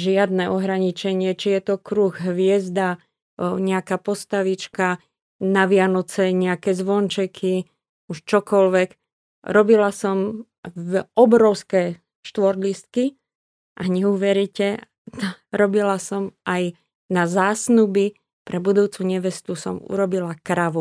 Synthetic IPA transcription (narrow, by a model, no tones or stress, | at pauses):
ʒɪad̪̚nɛʔɔɦɾaɲit͡ʃɛɲɪɛt͡ʃijɛt̪ɔkɾuːɣɦʋɪɛzd̪a | ɲɛakaːpɔst̪aʋit͡ʃka | naʋɪanɔt͡sɛɲɛakɛzʋɔnt͡ʃɛkʰi | uʃt͡ʃɔkɔlʋɛk | ɾɔbilasɔm | ɔbɾɔʊskɛ | ʃt̪ʋɔɾlist̪̚ki | ʔaɲɛuʋɛɾicɛ | ɾɔbilasɔmaj | nazaːsnubi | pɾʔɛbud̪uːt͡suɲɛʋɛst̪usɔmṵɾɔbilakɾaʋu